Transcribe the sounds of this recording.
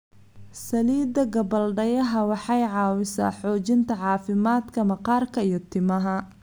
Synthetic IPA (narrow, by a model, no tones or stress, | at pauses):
sɐliːd̪ɐɡɐbɐlɖɐjɐɦɐwɑħɑjʕɑːwɪsa̰ːħɔːt͡ʃɪnt̪ʰɐʕɑːfɪmaːd̪kʰɐmɐqɑːrkʰɐijɞt̪ʰɪmɐɦɐ